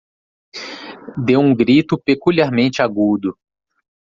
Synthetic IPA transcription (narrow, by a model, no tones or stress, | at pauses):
d̪ewũɡɾit̪ʊpekuliaɾmẽnt͡ʃɪaɡud̪ʊ